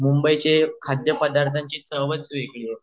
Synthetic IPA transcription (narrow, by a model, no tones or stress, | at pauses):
mumbəit͡ɕekʰad̪jəpəd̪aɾt̪ʰãɲt͡ɕiːt͡səʋət͡sːʋekɭije